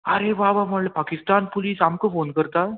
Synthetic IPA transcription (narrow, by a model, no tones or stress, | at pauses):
ɐɾeːʋaːʋɐmɐɭːɐpaːkɪst̪aːnpʊliːsɐmkːɯpoːnɡɯɾt̪aː